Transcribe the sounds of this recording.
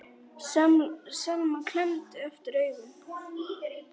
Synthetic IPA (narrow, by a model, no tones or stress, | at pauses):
salmakʰl̥ɛnt̪œft̪ɾœːɥɣʏm